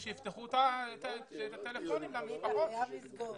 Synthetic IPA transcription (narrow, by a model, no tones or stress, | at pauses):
ʃejift̪eχut̪at̪et̪at̪elefonimlamibaʁoizɡo